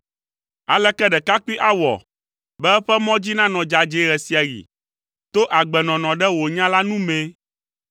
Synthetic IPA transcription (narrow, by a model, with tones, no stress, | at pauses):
a̰˨lɛ˦kɛ˦ɖɛ˨ka˦k͡pi˦ʔa˦wɔ̰˨ | bɛ˦ɛ˦ɸɛ˦mɔ̃˦d͡ʑi˦nã˦nɔ̃˨d͡ʒa˨d͡ʒe˨ɣɛ˨si˨a˨ɣḭ˨ | t̪o˦ʔa˨ɡ͡bɛ˨nɔ̃˨nɔ̃˨ɖɛ˦wo˨ɲã˦la˦nũ˦mẽ˦